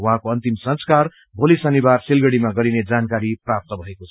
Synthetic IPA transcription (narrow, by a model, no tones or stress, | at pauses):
wuɦãkoʌnt̪imsʌ̃nskar | bʱolisʌnibarselɡʌɽimaɡʌɾined͡zankaɾiprap̚t̪ʌbʱʌekot͡sʰʌ̥